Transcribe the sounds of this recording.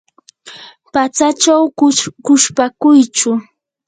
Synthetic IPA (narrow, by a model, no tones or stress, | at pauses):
pat͡sat͡ʃawkʊʃpakʊjt͡ʃʊ